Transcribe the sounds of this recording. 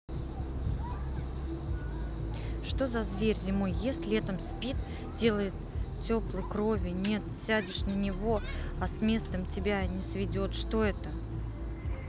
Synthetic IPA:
ʂt̪o̞zɐzvʲerʲzʲɪmo̞jːesʲtʲlʲɛt̪əmspʲit̪ | dʲe̞lˠəjɪt̪tʲːo̞plˠɨjkɾo̞vʲɪnʲe̞t̪sʲædʲɪʂnənʲɪvo | ɐsmʲe̞st̪əmtʲɪbʲanʲɪsvʲɪdʲo̞t̪ʂt̪o̞ɛt̪ə

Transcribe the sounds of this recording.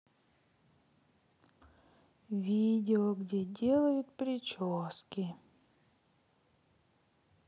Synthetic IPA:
vʲidʲɪɔɡdʲedʲelˠɐjʊt̪pɾʲɪt͡ʃoskʲɪ

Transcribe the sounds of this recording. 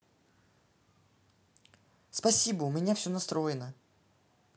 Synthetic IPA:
spɐsʲibəʊmʲɪnʲafsʲonɐst̪ɾo̞jɪnə

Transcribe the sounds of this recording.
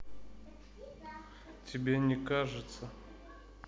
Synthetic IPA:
tʲɪbʲenʲɪkaʐɨt̪sə

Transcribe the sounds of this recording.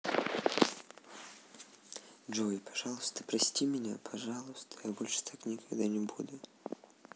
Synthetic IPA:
d͡ʒojpɐ̥ʐalˠʊst̪ə̥pɾɐsʲtʲimʲɪnʲapʰɐʐalˠʊst̪ə̥jabolʲʂɨ̥t̪ʰaknʲɪkɐɡd̪anʲɪbud̪ʊ

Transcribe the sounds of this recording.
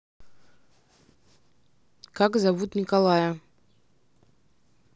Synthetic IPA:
kakzavut̪nʲɪkalˠajə

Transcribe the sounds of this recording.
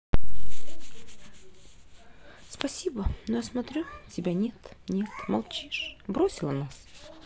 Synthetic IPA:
spɐsʲibənojasmɐt̪ɾʲu | tʲɪbʲanʲet̪ | nʲet̪mɐ̰lˠt͡ɕiʂbɾosʲɪlˠənas

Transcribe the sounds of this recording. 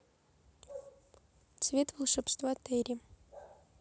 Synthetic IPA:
t̪svʲet̪vɨlˠʂɛpst̪vat̪ɛɾʲi

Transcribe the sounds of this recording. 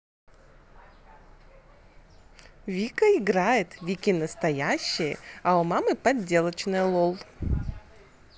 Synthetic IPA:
vʲikəɪɡɾajɪt̪vʲikʲinəst̪ɐjæɕːɪjəaʊmamɨpɐdʲːe̞lˠət͡ɕnɨjəlˠolˠ

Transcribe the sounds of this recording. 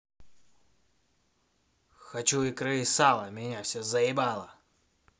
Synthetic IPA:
xɐt͡ɕuikɾɨisalˠɐmʲɪnʲafsʲɔzɐjɪbalˠɐ

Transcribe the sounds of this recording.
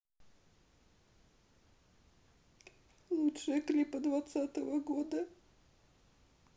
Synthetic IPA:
lˠutʂɨəklʲipəd̪vat̪sat̪əvəɡod̪ə

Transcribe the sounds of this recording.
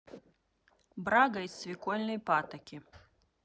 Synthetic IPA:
bɾaɡɐj̪svʲikɔlʲnɨjpat̪ɐkʲi

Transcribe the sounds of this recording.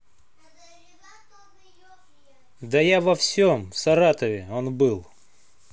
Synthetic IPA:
d̪ɐjavɐfsʲomfsɐɾat̪əvʲɪonbɨlˠ

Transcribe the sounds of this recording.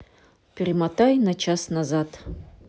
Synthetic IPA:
pʲɪrʲimat̪ajnat͡ʃʰasnazat̪

